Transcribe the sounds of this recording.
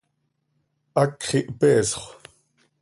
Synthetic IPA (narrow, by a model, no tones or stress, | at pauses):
ʔakχiʔpɛːsχʷ